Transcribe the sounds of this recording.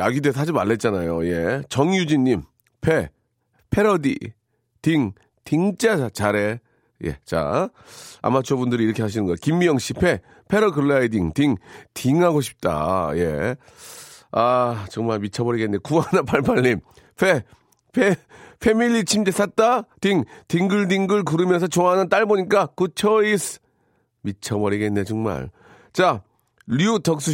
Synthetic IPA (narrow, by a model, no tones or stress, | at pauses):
aɡides̬ʰad͡ʑimaɭːe̞t̚t͡ɕ͈anajoje̞t͡ɕʌŋjud͡ʑiɲːim | pʰe | pʰe̞ɾʌdḭ | tiŋ | tiŋt͡ɕ͈at͡ɕaɾe̞ | je̞̰t͡ɕa̰ | a̰mat͡ɕʰobundɯɾiɾʌkʰe̞ɦaɕ̬ʰinɯnɡʌjkimːijʌŋɕ͈ipʰe̞ | pʰe̞ɾʌɡɯɭːaidiŋtiŋtʰiŋɦaɡoɕʰi̥p̚t͈a̰je̞̰ | at͡ɕʌŋmaɭmit͡ɕʰʌmʌɾiɡenːe̞kuanapʰaɭpʰaɭːim | pʰe | pʰeɸʰemiʎːit͡ɕʰimdes͈ʰat̚t͈atiŋtiŋɡɯɭdiŋɡɯɭkuɾɯmjʌns̬ʰʌt͡ɕoŋɦanɯnt͈aɭboɲik͈akɯt͡ɕʰʌis | mit͡ɕʰʌmʌɾiɡe̞nːe̞t͡ɕʌŋma̰ɭ | t͡ɕa | ʎjutʌk̚s͈u